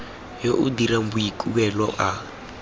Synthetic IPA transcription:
joʔudiɾambuikʼuβɛlɔʔa

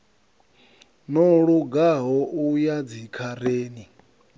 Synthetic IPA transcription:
nɔɺuɡaɦɔʔujad͡zikʰaɾeːni

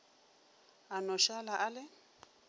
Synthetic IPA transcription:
anɔʃalaʔalɪ

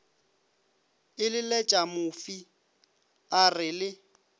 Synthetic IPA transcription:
ɪlɪlɛt͡ʃʼamʊfi | arɪlɪ

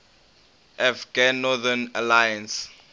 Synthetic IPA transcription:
ʔafɡanːɔðanalajãns

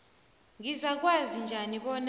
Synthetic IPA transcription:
ŋizak̬wazind͡ʒʱaniɓɔn

